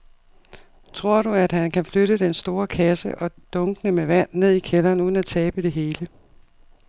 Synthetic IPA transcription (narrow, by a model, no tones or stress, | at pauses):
t͡sʰʁo̝ɐ̰ɾuæd̥hænkʰæfløɾəd̥ensd̥o̝ːɐkʰæsəʔɒ̽d̥ɔ̽ŋɡ̥ənəmeʋæn̰ne̝ð̰ˠikʰelɐːnuðˠnæt͡sʰɛːb̥əd̥e̝ɦe̝ːlə